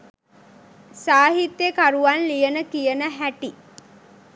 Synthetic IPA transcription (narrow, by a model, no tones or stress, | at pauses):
saːɦit̪jekaɾuʋanlijənəkijənəɦæʈi